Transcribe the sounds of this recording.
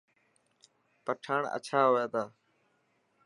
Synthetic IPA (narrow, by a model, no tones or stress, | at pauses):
pəʈʰaːɳə̰t͡ʃʰaːɦoːjaːt̪ʰaː